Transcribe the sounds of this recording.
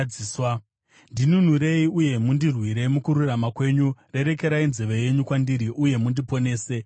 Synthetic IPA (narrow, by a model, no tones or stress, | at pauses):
iːswa | ndinun̤uɾe̞iuje̞mundirwiɾe̞mukuɾuramakwe̞ɲure̞ɾe̞ke̞ɾainzeʋeje̞ɲukwandiɾiʔuje̞mundipo̞ne̞ːse̞